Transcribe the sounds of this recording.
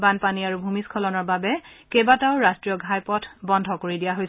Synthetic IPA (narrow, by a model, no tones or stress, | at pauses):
banpaniaɹubʱumiskʰɔlɔnɔɹbabɛkebataʊɹastɹijɔɡʱajpɔtʰbɔndʱɔkoɹidijaɦojs